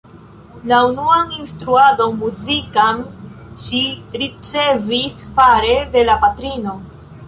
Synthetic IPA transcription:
launuaninstɾuado̞muzikan | ʃiɾit͡se̞visfaɾe̞de̞lapatɾino̞

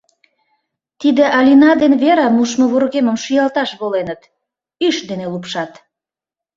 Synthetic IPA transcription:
t̪id̪eʔɑlʲinɑd̪enβeɾɑmuʃmoβorɣeməmʃyjɑlt̪ɑʃβolenət̪ | yʃd̪enelupʃɑt̪

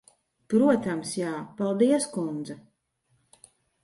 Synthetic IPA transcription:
pɾuɔt̪amsjaːpalˠd̪iɛskund̪za

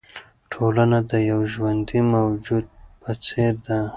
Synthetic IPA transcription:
ʈʰolanad̪əjawʒwand̪imawd͡ʒud̪̚pət͡seɾd̪a

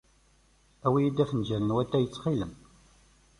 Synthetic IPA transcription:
æwijid̪æfənd͡ʒæɾənwæt̪ːæjət͡sːχiləm

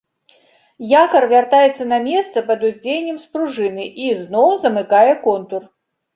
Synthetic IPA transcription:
jakɐrvʲart̪ajɛt̪sːɐnɐmʲɛst̪sɐpɐd̪uzʲd͡zʲejnʲːɛmspɾuʐɨnɨʔiznɔwzɐmɨkajɛkɔnt̪ur

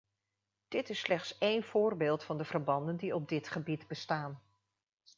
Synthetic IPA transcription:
d̥ɪtɪslɛχtsejnv̥ʊːrbeːlˠtfɑndəvəɹbɑndəndiɔb̚dɪtχəbidbəstaːn

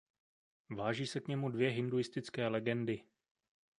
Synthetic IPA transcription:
vaːʒiːsɛkɲɛmudvjɛɦɪndujɪst̪ɪt͡skɛːlɛɡɛndɪ

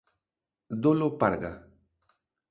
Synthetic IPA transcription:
d̪olopaɾɡa

